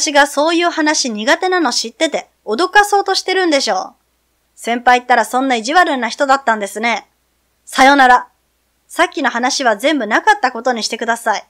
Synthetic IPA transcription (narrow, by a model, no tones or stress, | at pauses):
ɕiɡaso̞ːjɯ̟ːhanaɕiɲ̟iɡat̪e̞nano̞ɕit̪ːe̞t̪e̞ | od̪o̞kaso̞ːt̪o̞ɕi̥t̪e̞ɾɯ̟̃nd̪e̞ɕo̞̰ː | sẽ̞mpait̪ːaɾasõ̞nːaiʑiβaɾɯ̟nːaçi̥t̪o̞d̪at̪ːãnd̪e̞sɨne̞ | sajo̞naɾa | sakʲːino̞ɦanaɕiβ̞azẽ̞mbɯ̟nakat̪ːako̞t̪o̞ɲ̟iɕi̥t̪e̞kɯ̟d̪asai